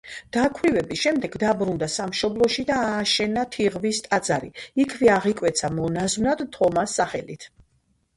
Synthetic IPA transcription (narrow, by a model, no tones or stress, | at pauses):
d̪̥akʰwɾivɛbiʃɛmd̪ɛɡd̪abɾund̪asamʃɔblˠɔʃid̪aːʃɛnat̪ʰiʁvist̪ʼad̪zaɾiikʰvɛaʁikʼwɛt̪sʰamɔnazmnad̪t̪ʰɔmasːaχɛlit̪ʰ